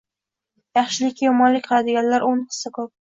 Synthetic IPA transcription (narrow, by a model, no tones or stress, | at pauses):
jɑχʃɪlɪkʲːajɒmɒnlɪkʲqʰɨlad̪ɪɡʲanlaɾʔʊnqʰɨ̥sɪkʰɵp̚